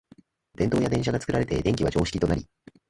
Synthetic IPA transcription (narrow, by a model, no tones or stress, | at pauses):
d̪̥ẽ̞nt̪o̞ːjad̪ẽ̞ɰ̃ɕaɡat͡sɨ̥kɯ̟ɾaɾe̞t̪e̞̰d̪ẽ̞ŋkʲiβa̰d͡ʑo̞ːɕi̥kʲit̪o̞naɾʲi